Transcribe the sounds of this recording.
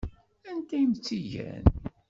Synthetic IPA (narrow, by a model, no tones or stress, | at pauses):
ænt̪æjəmt͡sːiʝæ̰n